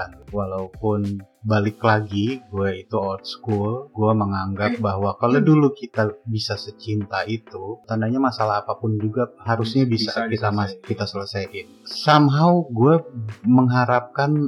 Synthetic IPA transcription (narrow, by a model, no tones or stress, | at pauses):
kanwalaupʊn | balɪklaɡiɡuait̪uɔt̪̚skulɡuaməŋaŋɡap̚baɦwakalodulukit̪abisasət͡ʃint̪ait̪ut̪andaɲamasalaɦːpapʊnd͡ʒuɡaɦaɾusɲabisakit̪amakit̪asələsajʔɪnsamɦawɡuaməŋɦaɾap̚kan